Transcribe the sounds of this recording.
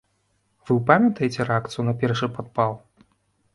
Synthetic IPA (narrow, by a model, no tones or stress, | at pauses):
v̥ɨwpamʲɐt̪ɐjɛt͡sʲɛɾɛakt̪sɨjunɐpʲɛrʂɨpat̪̚palˠ